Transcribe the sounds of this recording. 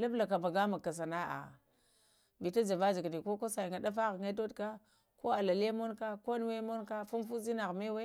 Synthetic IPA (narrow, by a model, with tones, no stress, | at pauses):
la˦bla˨ka˨ma˨ɡa˦ma˨kːa˨s̬a˨na˦a̰˨ | bi˨ta˦d͡ʒa˨va˦d͡ʒi˨ɡni˨ko˦ko˦sa˨i˨ŋɡa˨da˦fa˦ɣŋa˦to˦dka˦ | ko˦a˨la˨le˦mo˦nka˦ko˦n˦we˦mo˦nka˦fu˦mfu˦zi˦na˨ɣme˦we˦